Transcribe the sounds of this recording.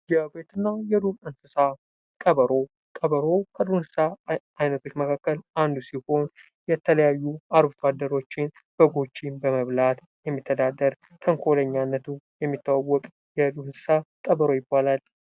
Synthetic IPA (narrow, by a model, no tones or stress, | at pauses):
jɛbet̪ɨnːajɛd̪uɾɨnsɨsa | kʼəβəɾo̞ | kʼəβəɾo̞kʰəd̪unsɨ̥saː | jnət̪ʰo̞t͡ʃːməkʰakːəland̪usiho̞n | jɛt̪ʰələjajːuaɾbut̪ʰad̪ːəɾo̞t͡ʃːɪn | b̥əɡo̞t͡ʃːinbəməβlat̪ | jɛmːit̪ʰːəd̪ad̪ːəɾ | t̪ʰəŋkʰoləɲːanːət̪ʰujɛmːit̪ːawawːɔkʼ | jɛd̪unsɨ̥sakʼəβəɾo̞jɪbːalal